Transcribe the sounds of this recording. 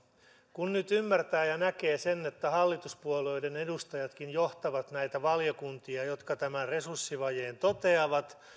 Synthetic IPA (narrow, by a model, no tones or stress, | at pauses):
kunnyt̪ymːært̪æːjɑnæke̞ːsenːet̪ːæhɑlːit̪uspuoloidene̞dust̪ɑjɑt̪kinjoht̪ɑʋɑt̪næjt̪æʋɑljokunt̪iɑjot̪kɑt̪æmærre̞sursːiʋɑjeːnt̪ot̪e̞ɑʋɑt̪